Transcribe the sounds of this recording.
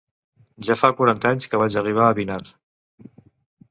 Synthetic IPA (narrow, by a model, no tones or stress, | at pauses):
ʒafakuɾant̪aɲskəβat͡ʃəriβ̞aːβinaɾ